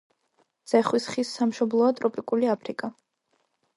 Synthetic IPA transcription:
d̪z̥ɛχwisχisːamʃɔblˠɔat̪ʼɾɔpʼikʼuliapʰɾikʼa

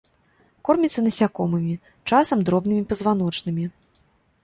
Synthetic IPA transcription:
kɔrmʲit̪sːɐnɐsʲakɔmɨmʲi | t͡ʂasɐmd̪ɾɔbnɨmʲipɐzvanɔt͡ʂnɨmʲi

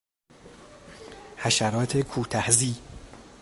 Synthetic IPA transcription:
hæʃæɾɒːt̪ʰekʰuːt̪ʰæhziː

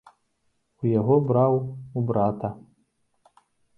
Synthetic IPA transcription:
ujaɣɔbɾawubɾat̪ʰa

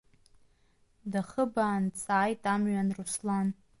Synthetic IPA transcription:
daχəbaːnt͡sʼaːjtʼamɥanruslan

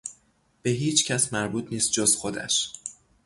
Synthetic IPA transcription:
b̥e̞ɦiːt͡ʃʰcʰæsmæɾbuːt̪ʰniːst̪̚d͡ʒozxod̪æ̰ʃ

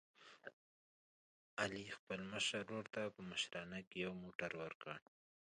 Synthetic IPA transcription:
alixpəlməʃaɾːoɾt̪apəməʃɾɑnakejawmoʈaɾwəɾkə̰ɳ

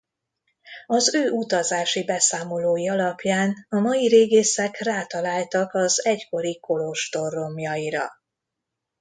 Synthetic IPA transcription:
ɒzøːʔut̪ɒzaːʃibɛsaːmo̞loːjiɒlɒpjaːnɒmɒjiɾeːɡeːsɛkraːt̪ɒlaːlt̪ɒkɒzɛcko̞ɾiko̞lo̞ʃt̪o̞ro̞mjɒjiɾɒ̰

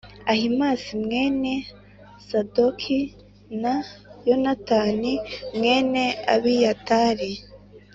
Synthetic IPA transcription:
ahimaːsimŋe̞ːne̞ | sadokʰi | najonataːnimŋeːne̞a̰βijataːɾi

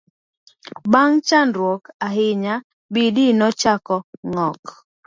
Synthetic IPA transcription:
baŋt͡ʃandɾwɔkaɦɪɲa | bidinɔt͡ʃakɔŋɔk

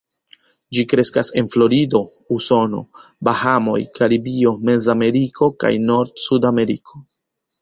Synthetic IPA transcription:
d͡ʒikɾe̞skase̞nflo̞ɾido̞ | uso̞no̞̰bahamo̞̰jkaɾibio̞me̞zame̞ɾikʰo̞ka̰jno̞ɾdsudame̞ɾikʰo̞

